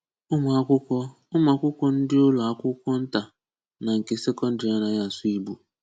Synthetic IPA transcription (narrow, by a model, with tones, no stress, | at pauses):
ʊ˦m˨a˨kʷʊ˦kʷɔ˦ | ʊ˦m˦a˨kʷʊ˦kʷɔ˦n̩˦dɪ˦ʊ˦lɔ˨a˦kʷʊ˦kʷɔ˦n̩˦ta˨ | na˨ŋ̩˨ke˨se˦kɔ˦n̩˦di˨a˦na˨ja˨su˦i˦bu˨